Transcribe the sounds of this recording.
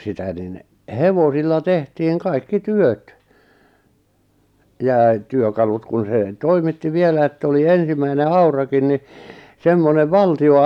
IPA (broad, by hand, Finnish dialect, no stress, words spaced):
sitæ nin heʋosilːɑ tehtiːŋ kɑikːi tyøt jɑˑ e tyøkɑlut kun̞ se toimitːi ʋielæ etː oli ensimæine ɑurɑkin ni semːoneʋ ʋɑltio